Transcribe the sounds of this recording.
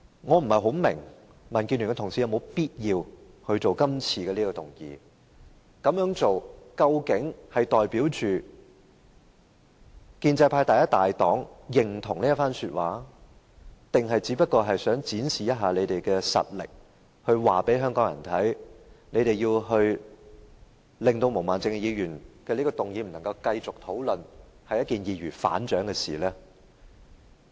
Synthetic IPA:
ŋɔː˨˧m̩˨˩hɐ˨jɦo˨˥wmɪ˨˩ŋ | mɐ˨nkiː˧ny˨˩kɛ˧t̪ʰʊ˨˩ŋsiː˨jwmo˨˧˥wpiː˥t̚jiː˧w | hɵ˧ɥt͡so˨wkɐ˥mt͡sʰiː˨kɛː˧liː˥kɔ˧t̪ʊ˨˩ŋjḭː˨ | kɐ˨˧mjœː˨˥ŋt͡so˨wkɐ˧wkɪ˨˥ŋhɐ˨jt̪ɔː˨jpiː˨˥wt͡ʃyː˨ | kiː˧nt͡sɐ˧jpʰaː˧jt̪aː˨jɐ˥t̚t̪aː˨jt̪ɔː˨˥ŋjɪ˨˩ŋt̪ʰʊ˨˩ŋniː˥ɐ˥tfaː˥nsyː˧t̚wʔa̰ː˨˥ | t̪ɪ˨ŋɦɐ˨jt͡siː˨˥pɐ˥t̚kɔː˧ɦɐ˨jsœː˨˥ŋt͡siː˨˥nsiː˨jɐ˥t̚ɦaː˨˧le˨˧jt̪e˨jkɛː˧sɐ̰˨t̚lɪ̰˨k̚ | hɵ˧ɥwaː˨pe˨˥jɦœː˥ŋkɔː˨˥ŋjɐ̰˨˩nt̪ʰɐ˨˥jne˨˧jt̪e˨jiː˧wɦɵ˧ɥ | lɪ˨ŋt̪o˧wmo˨˩wmaː˨nt͡sɪ˧ŋ˧jiː˨˧jyː˨˩nkɛː˧liː˥kɔ˧t̪ʊ˨ŋji˨˧m̩˨˩nɐ˨˩ŋkɐ˧wkɐ˧jt͡sʊ˨k̚t̪ʰo˨˥wlɵ˨nhɐ˨jːɐ˥t̚kiː˨njiː˨˧ɥyː˨˩fa̰ː˨˥nt͡ʃœː˨˥ŋkɛ˧sḭː˨˩lɛː˥

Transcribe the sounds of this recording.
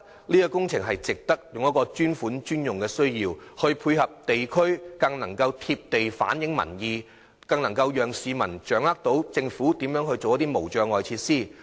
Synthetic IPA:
liː˥kɔ˧kʊ˥ŋt͡sʰɪ˨˩ŋɦɐ˨jt͡sɪ˨k̚t̪ɐ˥k̚jʊ˨ŋjɐ˥kɔː˧t͡ʃyː˥nfuː˨˥nt͡ʃyː˥njʊ˨˩ŋkɛː˧sɵ˥ɥjiː˧whɵ˧ɥpʰuː˧jhɐ˨p̚t̪e˨jkʰɵ˥ɥkɐ˧ŋnɐ˨˩ŋkɐ˧wt̪ʰiː˧p̚t̪e˨jfa̰ː˨˥njɪ˨˥ŋmɐ̰˨˩njiː˨ | kɐ˧ŋnɐ˨˩ŋkɐ˧wjœː˨ŋsiː˨˧mɐ˨˩nt͡ʃœː˨˥ŋlaː˥k̚t̪o˨˥wt͡sɪ˧ŋfuː˨˥t̪iː˨˥mjœː˨˥ŋɦɵ˧ɥt͡so˨wjɐ˥t̪iː˥mo˨˩wt͡ʃœː˨˧ŋɔː˨jt͡sʰiː˧t̚siː˥˩

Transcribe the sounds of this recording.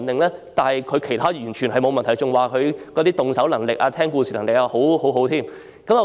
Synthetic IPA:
nt̪ɪ˨ŋlɛː˥t̪aː˨nhɐ˨jkʰɵ˨˧ɥkʰe˨˩jt̪ʰaː˥jyː˨˩nt͡ʃʰy˨˩nɦɐ˨jmo˨˧wmɐ˨nt̪ʰɐ˨˩jt͡sʊ˨ŋwaː˨kʰɵ˨˧ɥkɔ˨˧t̪iː˥t̪ʊ˨ŋsɐ˨˥wlɐ˨˩ŋlɪ˨k̚ʔaː˧t̪ʰɛː˥ŋkuː˧siː˨lɐ˨˩ŋlɪ˨k̚aː˧ho˨˥who˨˥wɦo˨˥wt̪ʰiː˥m | kɐ˨˥mɔ˨˧

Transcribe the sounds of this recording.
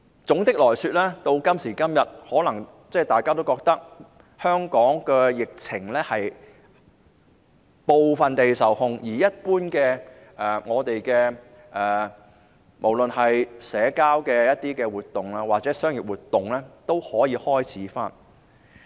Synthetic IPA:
t͡sʊ˨˥ŋt̪ɪ˥k̚lɔː˨˩jsyː˧t̚lɛː˥t̪o˧wkɐ˥msiː˨˩kɐ˥mjɐ˨˩t̚hɔː˨˥lɐ˨˩ŋ | t͡sɛː˥˩t̪aː˨˩jkaː˥t̪o˥wkɔː˧k̚t̪ɐ˥k̚ | hœː˥ŋkɔː˨˥ŋkɛː˧jɪ˨k̚t͡sʰɪ˨˩ŋlɛː˥hɐ˨j | po˧wfɐ˨nt̪e˨jsɐ˨˩whʊ˧ŋjiː˨˩jɐ˥t̚puː˥nkɛː˧ | ʔɛː˨ŋɔː˨˧t̪e˨jkɛː˧ | ʔɛː˨ | mo˨˩wlɵ˨nhɐ˨jsɛː˨˥kaː˥wkɛː˧jɐ˥t̚t̪iː˥kɛː˧wuː˨˩t̪ːʊ˨ŋlaː˧waː˨t͡sɛː˨˦˥sœː˥ŋjɪ˨˩p̚wuː˨t̪ːʊ˨ŋlɛː˥t̪o˥whɔː˨˥jiː˨˧hɔː˥jt͡sʰiː˨˥faː˥n

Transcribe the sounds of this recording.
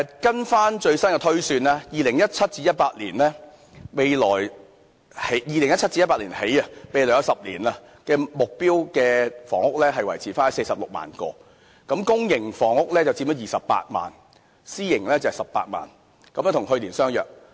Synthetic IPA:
kɐ˥nfaː˥nt͡ʃɵ˧ɥsɐ˥nkɛ˧t̪ʰɵ˥ɥsyː˧nɛː˥jiː˨lɪ˨˩ŋjɐ˥t̚t͡sʰɐ˥t̚t͡siː˧˥jɐ˥t̚paː˧t̚liː˨˩nlɛː˥ | me˨˧jlɔː˨˩j | he˨jjiː˨lɪ˨˩ŋjɐ˥t̚t͡sʰɐ˥t̚t͡si˧jɐ˥pa˧˥liː˨˩nhe˨˥jɐ˧me˨˧jlɔː˨˩jɐ˧wsɐ˨p̚lḭː˨˩nɐ˧ | kɛː˧mʊ˨k̚piː˥wkɛː˧fɔ̰ː˨˩ŋʊ˥k̚lɛː˥ɦɐ˨jwɐ˨˩jt͡sʰiː˨˩faː˥nɔ˥se˧jsɐ˨p̚lʊ˨k̚ma̰ː˨˩nkɔ̰ː˧ | kɐ˨˧˥mkʊ˥ŋjɪ˨˩ŋfɔː˨˩ŋʊ˥k̚lɛː˥t͡sɐ˨wt͡si˧p̚mɔ˥˩jiː˨˩sɐ˨pːa̰ː˧t̚ma̰ː˨n | siː˥jɪ˨˩ŋlɛː˥t͡sɐ˨˩˨jsɐ˨p̚ːa̰ː˧t̚ma̰ː˨n | kɐ˦mjɛ˧˥t̪ʰʊ˨˩ŋhɵ˧liː˨˩nsœː˥ŋjœ̰ː˨˩k̚

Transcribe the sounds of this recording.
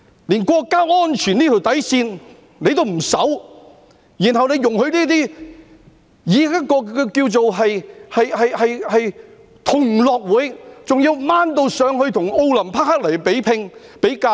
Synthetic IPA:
liː˨˩nkʷɔː˧kːaː˥ŋɔː˥nt͡ʃʰyː˨˩niː˥t̪ʰo˨wt̪ɐ˨˥jsiː˧n | ne˨˧jt̪̬o˥wm̩˨˩sɐ˨˥w | jiː˨˩nɦɐ˨wne˨˧jjʊ˨˩ŋhɵ˧ɥniː˥t̪iː˥ | jiː˨˧ɐ˥t̚kɔː˧kiː˧wt͡so˨wɦɐ˨jhɐ˨jhɐ˨jhɐ˨jhɐ˨j | t̪ʰʊ˨˩ŋlɔː˨˧k̚wuː˨˥jt͡sʊ˨ŋji˨˧wmaː˥nt̪o˧wsœː˨˧ŋhɵ˧ɥt̪ʰʊ˨˩ŋo˧wlɐ˨˩mpʰa˥k̚ha˥k̚lɐ˨˩jpe˨˥jpʰɪ˧ŋpe˨˥jkaː˧

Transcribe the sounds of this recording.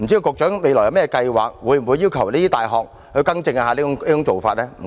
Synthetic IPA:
m̩˨˩t͡ɕi˧˥i˧wkʊ˨k̚t͡ʃœː˨˥ŋme˨˧jlɔː˨˩jɐ˧wmɛ˥ɛ˧kɐ˧jwa̰ː˨k̚wuː˨˧jm̩˨˩wu˨˧jiː˥wkʰɐ˨˩wliː˥t̪iː˥t̪aː˨jɦɔː˨k̚ | hɵ˧ɥkɐ˥ŋt͡sɪ˧ŋa˧ɦaː˨˧li˥ʊ˦˥iː˥t͡sʊ˧˥ŋt͡so˨wfaː˧t̚lɛː˥mm̩˨˩

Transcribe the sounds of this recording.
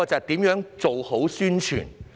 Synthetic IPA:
ɔ˧t͡sɐ˨t̪iː˨˥mjœː˨˥ŋt͡so˨who˨˥wsyː˥nt͡ʃʰy̰ː˨˩n

